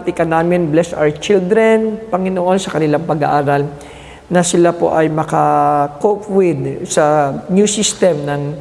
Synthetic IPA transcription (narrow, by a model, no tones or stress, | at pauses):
t̪ɪkɐnaːmɪnblɛsʔa̰wɛt͡ʃild̪ɾɛnpɐŋɪnoʔo̞nsɐkɐnɪlaŋpɐɡa̰ʔaːɾal | nɐsɪlapo̰ʔɐjmɐkakopwɪd̪̚sɐnjusist̪ɛmnɐŋ